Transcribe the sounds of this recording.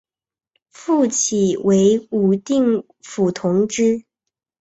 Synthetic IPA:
fu˥˩t͡ɕʰi˨˩wʔe˧˥ɪu˨˩t̪i˥˩ŋ | fu˨˩t̪ʰʊ˧˥ŋʈ͡ʂɻ̩˥

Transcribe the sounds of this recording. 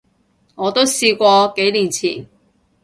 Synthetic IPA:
ŋɔː˨˧t̪o˥wsiː˧kʷɔː˧ke˨˥jliː˨˩nt͡sʰiː˨˩n

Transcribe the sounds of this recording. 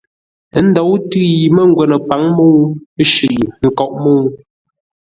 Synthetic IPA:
ə˦n̩˦dɔ˨˦wtɯ˦ji˨mə˦ŋ̩˦ɡwɛ˨nə˨pa˨˦ŋmo˦wə˦ʃʉ˨ʔŋ̩˨kɔ˦˨ʔmo˦w

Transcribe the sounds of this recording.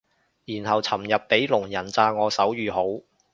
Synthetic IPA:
jiː˨˩nhɐ˨wt͡sʰɐ˨˩mjɐ˨p̚ːe˨˥jlʊ˨˩ŋjɐ˨˩nt͡saː˧ŋɔː˨˧sɐ˨˥wjyː˨˧ɦo˨˥w

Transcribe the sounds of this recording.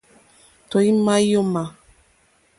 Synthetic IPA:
tɔ˨i˦ma˦i˦jo˦ma˨

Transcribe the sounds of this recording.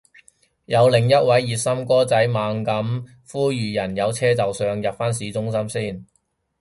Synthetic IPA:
jɐ˨˧wlɪ˨˩ŋjɐ˥t̚wɐ˨˥jːiː˨t̚sɐ˥mkɔː˥t͡sɐ˨˥jmaː˨˧ŋkɐ˨˥m | fuː˥jyː˨˩jɐ˨˩njɐ˨˧wt͡sʰɛː˥t͡sɐ˨wsœː˨ŋjɐ˨p̚faː˥nsiː˨˥t͡sʊ˥ŋs̬ɐ˥msiː˥˩n

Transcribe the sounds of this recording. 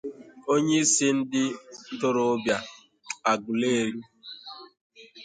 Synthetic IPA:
o˦ɲe˦i˦sɪ˦n̩˦dɪ˦tʊ˦ɾʊ˦bja˨ | a˨ɡʊ˨le˦e˦ɾi˦

